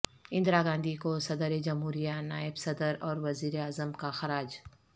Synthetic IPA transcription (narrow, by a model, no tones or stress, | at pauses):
ɪ̃nd̪ɾaːɡãːnd̪ikosɐd̪əɾed͡ʒɐmɦuːɾijanaːɪbsɐd̪əɾɔːɾʋɐziːɾeaːzəmkaxɐɾaːd͡ʒ